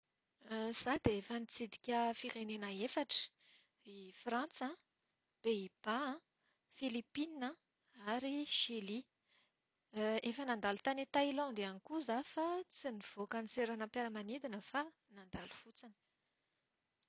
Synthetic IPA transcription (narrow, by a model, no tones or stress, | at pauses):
z̥ad̪eefənit͡sid̪i̥kʲəfiɾenenəefaʈ͡ʂə̥ | ifrãnt͡sã | b̥eib̥aã | filipinə | aɾiʃili | efənand̪alut̪anet̪ailɔ̃nd̪eanikuzafat͡siniv̥okaniseɾanampaɾəmanid̪inəfa | nand̪alu̥fut͡sinə̥